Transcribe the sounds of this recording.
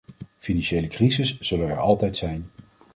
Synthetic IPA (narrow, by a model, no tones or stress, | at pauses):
finɑnʃejləkrizɪsːɵlənɛ̰ɹɑlˠtɛjtsɛjn